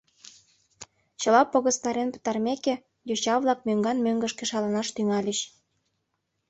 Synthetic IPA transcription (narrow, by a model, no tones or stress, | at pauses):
t͡ɕə̆lɑpːoɣə̆st̪ɑɾenpə̥t̪ɑrmekĕ | juɕɑβlˠɑk̚møŋɡɑnmøŋɡə̆ʃkĕʃɑlɑnɑʃt̪yŋɑlʲəɕ